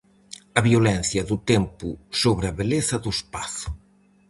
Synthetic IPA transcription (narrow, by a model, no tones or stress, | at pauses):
ɐβjolɛn̟θjɐðut̪ɛmpusoβɾɐβeleθɐðuespaθu̥